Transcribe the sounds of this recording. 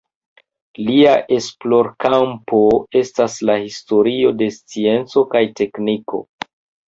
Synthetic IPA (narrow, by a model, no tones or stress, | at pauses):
liaʔe̞splo̞ɾkampo̞e̞staslahisto̞ɾio̞de̞st͡sie̞nt͡so̞kajte̞kniko̞̰